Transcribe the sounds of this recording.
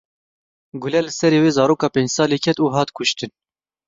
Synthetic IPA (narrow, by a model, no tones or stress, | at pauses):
ɡʊlɛlɨsɛɾeːweːzɑːɾoːkɑːpeːɲd͡ʒsɑːleːkʰɛt̪uːɦɑːt̪kʰʊʃt̪ɨn